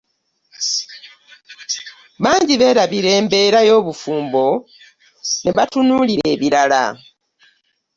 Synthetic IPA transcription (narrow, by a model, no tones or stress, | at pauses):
βaːɲɟiβe̞ːɾaβiɾe̞ːmbe̞ɾajo̞ːβufuːmbo̞ | neβatunuːliɾe̞ːβiɾala̰